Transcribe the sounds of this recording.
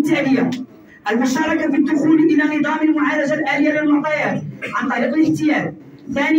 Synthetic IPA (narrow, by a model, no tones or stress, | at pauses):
t̪aʕlɪjːa | ʔalmʊʃɑːɾˤɑkafid̪ːʊxuːlʔɪlanɨd̪ˤɑːmɪlmʊʕaːlad͡ʒalʔaːlɪjːalɪlmʊʕt̪ˤɑjaːt̪ʕɑnt̪ˤɑɾiːqɪlɪħt̪ɪjaːl | θaːnɪ